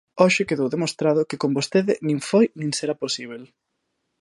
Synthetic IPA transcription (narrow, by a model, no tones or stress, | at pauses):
ɔʃɪkeðowðemost̪ɾaðʊkɪkombost̪eðɪnĩŋfojnĩŋseɾaposiβ̞el